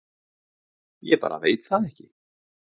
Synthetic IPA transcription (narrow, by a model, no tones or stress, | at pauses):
jɛpa̰ɾa̰veːjt̪θaðɛhcɪ